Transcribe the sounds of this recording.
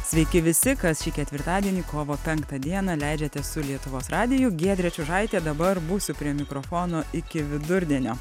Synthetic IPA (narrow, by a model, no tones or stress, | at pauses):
sʲʋʲɛɪkʲɪʋʲɪsʲɪkɐsʃʲiːkʲɛt̪ʲʋʲɪɾt̪ɑːd̪ʲiɛnʲiːkoːʋoːpʲɛŋkt̪ɐd̪ʲiɛnɐlʲæɪd͡ʒʲɛt̪ʲɛsʊlʲiɛt̪ʊʋoːsɾɑːd̪ʲɪjʊɡʲiɛd̪ʲɾʲɛt͡ʃʲʊʒɑɪt̪ʲeːd̪ɐbɐɾbuːsʲʊpʲɾʲiɛmʲɪkɾoːfoːnoːɪkʲɪʋʲɪd̪ʊɾʲd̪ʲiɛnʲoː